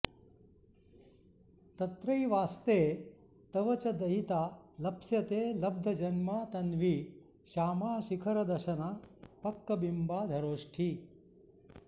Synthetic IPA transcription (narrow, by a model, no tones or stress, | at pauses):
t̪ɐt̪ɾɐjʋaːst̪eː | t̪ɐʋɐt͡ʃɐd̪ɐɦit̪aːlɐpsjɐt̪eːlɐb̚d̪ʱɐd͡ʒɐnmaːt̪ɐnʋi | ʃaːmaːʃikʰɐɾɐd̪ɐʃɐnaːpɐkːɐbimbaːd̪ʱɐɾoːʂʈʰi